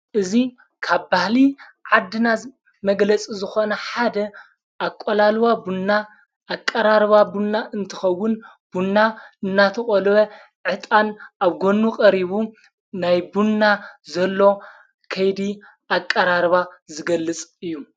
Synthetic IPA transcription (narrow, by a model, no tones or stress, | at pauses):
ʔɨzi | kʰaβbahliʕad̪ːɨna | mɐɡlɐt͡sʼizɨxo̞nɐħad̪ɐ | ʔakʼolalwabunːa | ʔːkʼːɐɾaɾβabunːaʔɨnt̪ʰɐxɐwːʊn | b̥unːaɨnːat̪ʰɐχʼolβɐ | ʕɨt̪ʼanʔaβɡo̞nːuqʼɐɾiβu | najbunːazɐlːo̞ | kʰɐjd̪i | ʔakʼːɐɾaɾβazɨɡɐlːɨt͡sʼɨjːu